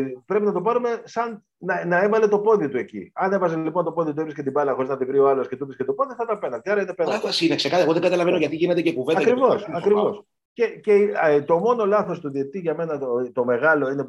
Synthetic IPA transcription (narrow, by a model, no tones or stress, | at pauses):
pɾe̞pinɐt̪o̞pɐɾume̞sɐn | nɐnɐe̞vɐle̞t̪o̞po̞ðit̪ue̞cḭɐne̞vɐzelipo̞nt̪o̞po̞ðit̪uevɾiscet̪ibɐlɐxoiznɐt̪ivɾio̞ɐloscet̪upiscet̪opo̞ðiθɐt̪ɐpe̞nɐnd̪eɐɾɐine̞penɐsineksekɐeɣoðeɡɐt̪ɐlɐvenoʝɐt̪iʝine̞t̪ecekuvenɐɐkɾivo̞sɐkɾivos | ce̞ce̞t̪o̞mo̞no̞lɐθo̞st̪uðiet̪iʝɐme̞nɐt̪o̞me̞ɣɐlo̞ine̞